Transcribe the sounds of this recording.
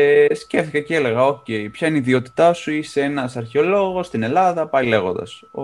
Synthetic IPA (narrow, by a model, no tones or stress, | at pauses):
sce̞fθikɐcele̞ɣɐo̞ce̞ipçɐineiðio̞t̪i̥t̪ɐsuisee̞nɐsɐɾçeo̞lo̞ɣo̞st̪ine̞lɐðɐpɐlile̞ɣo̞̰nd̪ɐ̰so